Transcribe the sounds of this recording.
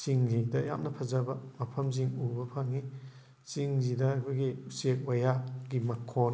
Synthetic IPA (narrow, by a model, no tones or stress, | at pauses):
siŋhijdɐja̰mnɐpʰɐzabɐmɐpʰɐmziŋubɐpʰaŋːi | siŋzidɐːkʰuɡiusek̚wajaɡimɐkʰːon